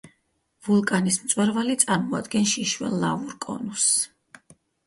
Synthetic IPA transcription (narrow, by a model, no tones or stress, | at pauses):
vulˠkʼanismt̪sʼwɛɾvalit̪sʼaɾmɔad̪ɡɛnʃiʃwɛ̰lːavuɾkʼɔ̰nus